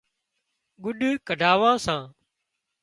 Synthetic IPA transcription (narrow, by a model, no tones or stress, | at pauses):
ɡʊɗkəɖʱaːʋãːsãː